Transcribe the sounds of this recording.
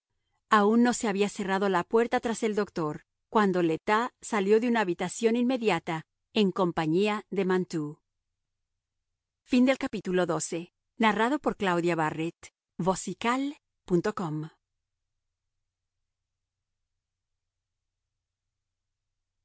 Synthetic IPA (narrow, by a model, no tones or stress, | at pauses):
aunːo̞se̞aβiase̞raðolapwe̞ɾt̪at̪ɾase̞ld̪o̞kt̪o̞ɾ | kwand̪o̞let̪asaljo̞ðunaːβit̪asjo̞ninme̞ðjat̪a | eŋko̞mpaɲiaðe̞mant̪u | find̪e̞lkapit̪ulo̞ðo̞se̞ | naraðo̞po̞ɾklawðjaβaret̪ | bo̞sikal | punt̪o̞ko̞m